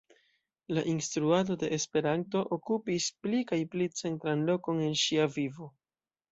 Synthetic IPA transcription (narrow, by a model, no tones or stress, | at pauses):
laʔinstɾuado̞de̞ʔespe̞ɾanto̞ʔokupisplikajplit͡se̞ntɾanlo̞ko̞ne̞nʃiavivo̞